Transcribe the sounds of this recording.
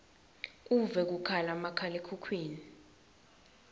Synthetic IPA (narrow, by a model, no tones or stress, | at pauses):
k̬ʼuvɛk̬ukʰalamakʰalekʰukʰwiːni